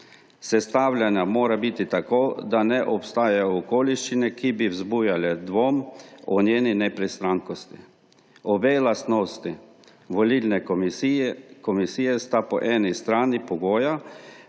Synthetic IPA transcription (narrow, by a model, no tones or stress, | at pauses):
sɛst̪aːwlʲjanjamoːɾabit̪it̪akoːd̪anɛʔɔpst̪aːjajɔɔkoːliʃt͡ʃinɛkibiwzbujalɛd̪ʋoːmɔnjeːninɛpɾist̪ɾaŋkɔst̪i | ɔbɛjlast̪noːst̪i | ʋɔlilnɛ | kɔmisiːjɛst̪apɔ̰ʔɛːnist̪ɾaːnipɔɡoːja